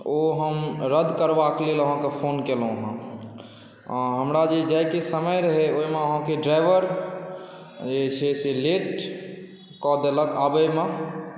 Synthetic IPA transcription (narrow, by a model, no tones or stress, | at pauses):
oɦəmɾəd̪ʱkəɾbakleləɦãkepʰonkelɦũɦã | ãɦəmɾad͡ʒed͡ʒajkesəməjɾəɦɛoimeəɦãkeɖɾajʋəɾ | d͡ʒet͡ʃʰeseleʈ | kɔd̪eləkabəjmẽ